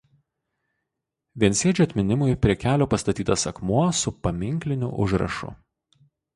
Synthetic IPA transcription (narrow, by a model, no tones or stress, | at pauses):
ʋʲiɛnʲsʲiɛd͡ʒʲɐt̪ʲmʲɪnʲɪmʊjpʲɾʲiɛkʲæːlʲoːpɐst̪ɐt̪ʲiːt̪ɐsɐkmuɔsʊpɐmʲɪŋʲklʲɪnʲʊ̰ʔʊʒɾɐ̰ʃʊ̰